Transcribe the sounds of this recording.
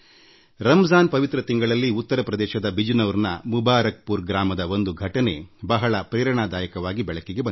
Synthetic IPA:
ɾɐmzaːnpɐʋit̪ɾɐt̪iŋɡɐɭɐlːiut̪ːɐɾɐpɾɐd̪ɛːʃɐd̪ɐbʱid͡ʒnɐʋɾnɐ̰mubaːɾɐk̚puːɾɡɾaːmɐd̪ɐo̞nd̪uɡʱɐʈɐne̞bɐɦɐɭɐpɾɛːɾɐɳaːd̪aːjɐkɐʋaːɡibɛɭɐkːeɡe̞bɐ

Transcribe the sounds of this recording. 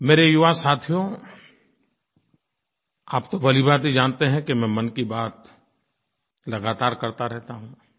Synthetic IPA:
meːɾejʊʋasaːt̪ʰijõ | aːpt̪obɐlibaːt̪ɦid͡ʒaːnt̪eɦɛ̃kemɛ̃mɐnkibaːt̪ | lɐɡaːt̪aːɾkɐɾt̪aɾɛɦt̪aɦũː

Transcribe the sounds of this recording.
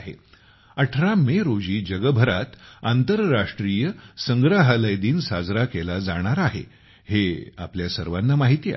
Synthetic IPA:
ɦḛ | əʈʰɾameɾod͡ʑiːd͡ʑəɡəbʱəɾat̪ant̪əɾːaʂʈɾijəsəŋɡɾaɦələjd̪iːnsad͡zɾakelad͡zaɽ̃aɾaɦḛ | hea̰pljasəɾʋanːamaɦit̪ḭ

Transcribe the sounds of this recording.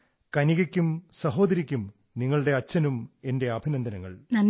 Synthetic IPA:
kɐniɣɐkʲːumsɐɦo̞ːd̪ɐɾikʲːum | niŋːɐɭɽe̞ɐt͡ɕːɐnume̞nde̞ɐbʱinɐnd̪ʱɐnɐŋːɐ̰ɭnɐn

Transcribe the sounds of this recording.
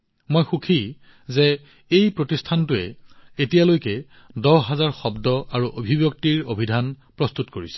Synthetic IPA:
mojxukʰi | zɛ | ejpɹotistʰantʊɛ̰etijalojkɛ | dɔɦazaɹxɔbdɔaɹuʔobʱibjɔk̚tiɹobʱidʱan | pɹɔstutkoɹisɛ̥

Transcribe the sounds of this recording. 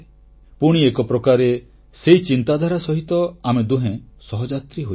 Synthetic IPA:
puɽ̃iekɔpɾɔkaɾe | seit͡ʃint̪ad̪ʱaɾasɔɦit̪ɔamed̪uɦẽ | sɔɦɔd͡ʒat̪ɾiɦo

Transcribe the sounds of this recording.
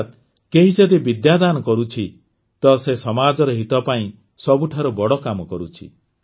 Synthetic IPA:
t̪̚ | keɦisɔd̪ibid̪jad̪anɔkɔɾut͡ʃʰi | t̪ɔsesɔmad͡ʒɔɾɔɦit̪ɔpaĩ | sɔbuʈʰaɾubɔɽɔkamɔkɔɾut͡ʃʰḭ

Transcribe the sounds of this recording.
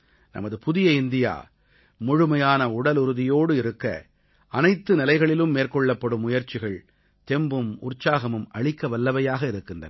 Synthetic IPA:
nɐ̰mɐðɯpʊðɪjɐɪnd̪ɪja̰ː | mʊɻʊmɐjaːnɐʊɽɐlʊɾɯðɪjoːɽɯɪɾɯkːɐ̰ | ɐnɐɪt̪ːɯnɪlɐɪɣɐɭɪlɯmːeːrkɔɭːɐpːɐɽɯmʊjɐɾt͡ʃɪɣɐɭ | t̪ɛmbɯmʊ̰rt͡ʃaːɣɐmɯmɐɭɪkːɐʋɐlːɐʋɐjaːɣɐɪɾɯkːɪndrɐ̰n

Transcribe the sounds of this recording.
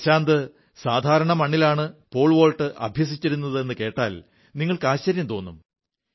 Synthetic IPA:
ɕaːnd̪ɨ | saːd̪ʱaːɾɐɳɐmɐɳːilaːɳɨpo̞ːɭʋo̞ːɭʈɨʔɐ̰bʱjɐs̬it͡ɕːiɾunːɐðɨe̞nːɨke̞ːʈːa̰ːl | niŋːɐɭkaːɕɐɾjɐmt̪o̞ːnːum

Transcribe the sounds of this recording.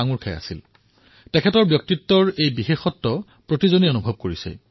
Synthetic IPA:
aŋuɹkʰɛa̰sil | tɛkʰɛtɔɹbjɔk̚titːɔɹejbixexɔtːɔ | pɹotizonionubʱɔb̚koɹisɛ̰

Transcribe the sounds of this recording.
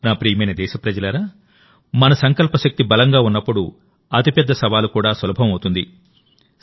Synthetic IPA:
naːpɾiːjɐmɐjnɐd̪ɛːʃɐpɾɐd͡ʒɐlɐɾaː | mɐnɐsɐŋkɐlpɐʃɐk̚t̪ibɐlɐŋɡaːunːɐpːuɽu | ɐt̪ipɛd̪ːɐsɐʋaːlukuːɽaːsɐlɐbʱɐmɐwt̪und̪ḭ

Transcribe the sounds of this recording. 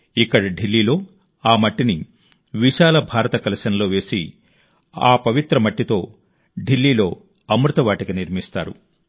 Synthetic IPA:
ikːɐɽiɖilːiːlo̞ː | aːmɐʈːini | ʋiʃaːlɐbʱaːɾɐt̪ɐkɐlɐʃɐnɐlo̞ːʋe̞ːsḭ | aːpɐʋit̪ɾɐmɐʈːit̪o̞̰ː | ɖilːiːlo̞ː | ɐmɾut̪ɐʋaːʈiɡɐniɾmist̪a̰ːɾṵ

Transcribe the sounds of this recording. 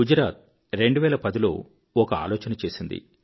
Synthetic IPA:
ud͡ʒɾaːt̪̚ | ɾe̞ɳɖuʋɛːlɐpɐd̪ilo̞ː | ɔkɐa̰ːlɔːt͡ʃɐnɐt͡ʃe̞ːsind̪ḭ

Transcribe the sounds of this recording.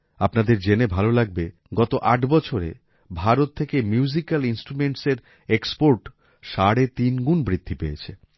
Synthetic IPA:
apnad̪eɾd͡ʑenebʱalolaɡ̚be | ɡɔt̪oʔaʈbɔt͡ɕʰoɾḛ | bʱaɾot̪ʰːekemjuzikalinsʈɾumeɳʈseɾ | ekspoɾʈ | ʃaɽet̪inɡunbɾid̪ʱːipejḛt͡ɕʰe

